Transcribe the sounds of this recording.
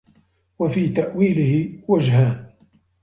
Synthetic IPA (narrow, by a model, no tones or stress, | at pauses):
wafiːt̪aʔwiːlɪhɪwad͡ʒɦaːn